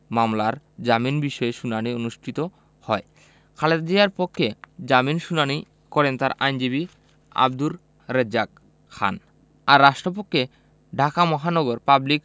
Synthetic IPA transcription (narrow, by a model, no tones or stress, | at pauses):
mamlaɾ | d͡ʑaminbiʃɔeʃunanionuʃʈʰit̪o | hɔe | kʰaleɾd̪iaɾpokʰːed͡ʑaminʃunani | kɔɾent̪aɾʔa̰jnd͡ʑiβi | a̰b̚d̪ulː | ed͡ʑak | kʰːa̰n | aɾːaʃʈɾopokʰːe | ɖʱakamɔɦanɔɡoɾpablik